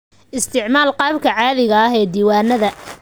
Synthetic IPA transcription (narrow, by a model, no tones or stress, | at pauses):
ʔɪst̪ʰɪʕmaːlqɑːbkʰɐʕɑːðɪɣɐɐɦɛːd̪iːwaːnɐðɐ